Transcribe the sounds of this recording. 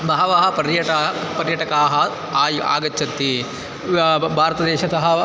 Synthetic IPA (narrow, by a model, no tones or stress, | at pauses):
bɐɦɐʋaːɦɐpɐɾjɐʈɐpɐɾjɐʈɐkaːɦɐ | a̰ːɡɐt͡ʃːɐt̪ːi | bʱaːɾɐt̪ɐd̪ɛːʃɐsɐɦɐ